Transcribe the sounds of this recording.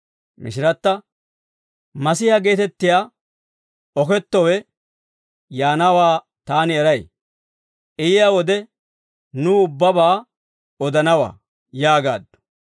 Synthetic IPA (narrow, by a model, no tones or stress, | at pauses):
mɪ̰ʃɪɾɐt̪ːɐ | mɐsɪhɐɡe̞ːt̪ɛt̪ːɪjaː | ɔkɛt̪ːɔwɛ | jaːnɐwaː | t̪aːnɪɛɾɐj | ʔɪjɪjawɔd̪ɛ | nʊʊbːɐbaː | ɔd̪ɐnɐwa̰ː | jaːɡa̰ːd̪ːʊ̥